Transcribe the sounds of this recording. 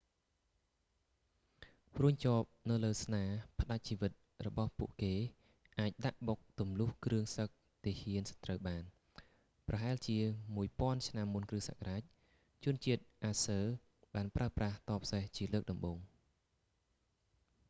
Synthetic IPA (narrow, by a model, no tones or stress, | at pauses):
pruəɲt͡ɕoːp̚nɨwləːsnaːpʰə̆ɗac̚t͡ɕiːʋɨt̪̚ | rɔɓɑhpuəʔkeː | ʔaːc̚ɗaʔɓok̚t̪umlʊhkrɨəŋsək̚ | t̪iːhiənsɑ̥t̪ːrəwɓaːn | prɑɦaɛlt͡ɕiəmuəjpŏənt͡ɕʰnamːunkrɨsa̰karaːc̚ | t͡ɕʊ̆ənt͡ɕiət̪̚ʔaːsəː | ɓaːnpraəpraht̪ɑːpʰseht͡ɕiələːk̚ɗɑmɓoːŋ